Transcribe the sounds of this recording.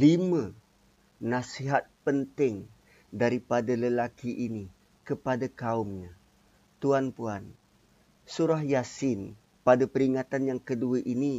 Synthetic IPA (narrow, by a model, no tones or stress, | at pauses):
limã | nãsiɦat̪̚pənt̪ɪŋ | daɾipadaləlakiʔini | kəpadakaʊmɲa | t̪uanpuan | suɾahjasɪn | padapəɾiŋat̪anjaŋkəduaʔini